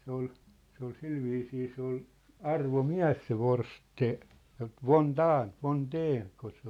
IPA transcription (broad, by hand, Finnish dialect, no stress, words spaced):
se ol se ol silʋiːsiː se ol ɑrʋomiæ̝s se ʋors tse ʋon dɑːn ʋon deːn ko se